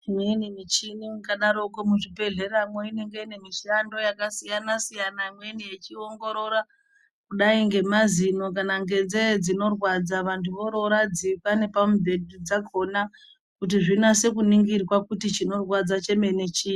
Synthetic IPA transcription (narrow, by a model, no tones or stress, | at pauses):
menimit͡ʃinimukaɗaɾokomuʐibʱe̞ɮe̞ramoine̞ŋɡe̞ine̞miʃando̞jakasijanasijanamwenijet͡ʃioŋɡo̞ɾo̞ɾa | kuɗaiŋɡe̞mazino̞kanaŋɡe̞d͡zed͡zino̞rwad͡zaʋantʰuʋo̞ɾo̞ɾad͡zipane̞pamubʱedʱud͡zakʰo̞na | kut̬iʐinase̞kuniŋɡirwakutit͡ʃino̞rwad͡zat͡ʃe̞me̞ne̞t͡ʃiːi